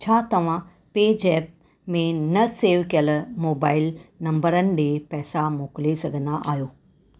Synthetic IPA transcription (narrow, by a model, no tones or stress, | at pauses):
t͡ɕʰaːt̪ɐʋ̤ã | peːd͡ʒɛːp̚ | mẽnɐseːʋkijəlmoːbaːɪlnɐ̃mbəɾənɪ̆ɖeːpɛːsamoːklesɐɡʱənd̪aʔaːjoː